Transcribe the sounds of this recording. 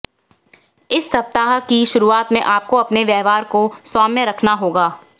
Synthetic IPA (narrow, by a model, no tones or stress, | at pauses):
ɪsːɐp̚t̪aːɦkiʃʊɾuaːt̪mẽʔaːp̚koɐpneʋjɛːɦʋaːɾkosɔːmːẽɾɐkʰnaɦoːɡaː